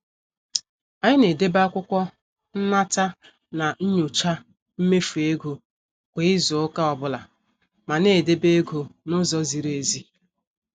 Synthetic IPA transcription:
a˨ɲɪ˦ne˨de˦ba˦kʷʊ˦kʷɔ˦ | n̩˦na˦ta˦ | na˨ɲ̩˦ɲʊ˨t͡ʃa˦ | m̩˦me˦fu˨e˦ɡo˨ | kʷe˨ɪ˦zʊ˨ʊ˦ka˦ɔ˨bʊ˦la˨ | ma˨ne˨de˦be˦ɡo˨nʊ˦zɔ˦zi˨ɾe˨zi˦

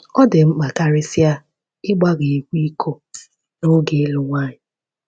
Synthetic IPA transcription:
ɔ˦dɪ˨m̩˦k͡pa˨ka˦ɾɪ˦sɪ˦a˦ | ɪ˦ɡ͡ba˦ɡe˨e˨kʷi˦kʰo˦ | no˦ɡe˨˦lʊ˨ŋʷa˦ɲɪ˨

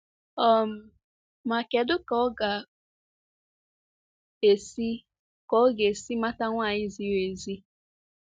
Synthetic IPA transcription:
ɔ˦m̩˨ | ma˨ke˨dʊ˦kɔ˦ɡa˨ | e˨si˦ | kɔ˦ɡe˨si˦ma˦ta˦ŋʷa˦˨ɲɪ˦zi˦we˨zi˦

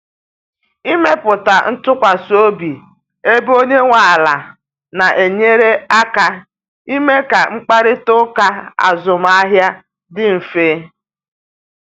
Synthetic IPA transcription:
i˦me˦pʊ˨ta˨n̩˦tʊ˦kʷa˨so˦bi˨ | e˦bo˦ɲe˦ŋʷa˨la˨ | na˨ʔe˨ɲe˦ɾe˦a˦ka˦ | i˦me˦ka˨ŋ͡m̩˦k͡pa˦ɾɪ˦tʊ˦ka˦a̰˨zʊ˨m˦a˦ɦja˦ | dɪ˦m̩˨feː˦

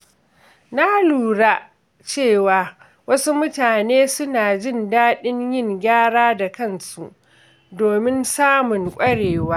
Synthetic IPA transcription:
na˦luː˨ɽa˦ | t͡ʃeː˦˨waː˨ | wɐ˦su˦mʊ˦taː˨neː˦sʊ˦naː˨d͡ʒɪ˦˨ndaː˦ɗɪ˦ɲjɪ˦˨ŋɡʲaː˦ɽaː˦da˨kɐ˦˨nsu˨ʔ | doː˨mɪ˦nsaː˦mʊ˨ŋkʷʼɐ˦ɽeː˨waː˦

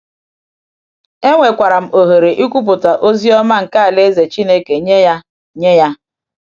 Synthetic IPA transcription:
e˦ŋʷe˨kʷa˨ɾa˨m̩˨o˨ɦe˨ɾe˨ʔi˦kʷu˦p̬ʊ˨ta˨ʔo˦zi˦ɔ˦ma˦ŋ̩˨ka˦a˨le˦ze˨t͡ʃi˦ne˦ke˨ɲe˦ja˦ | ɲe˦ja˦

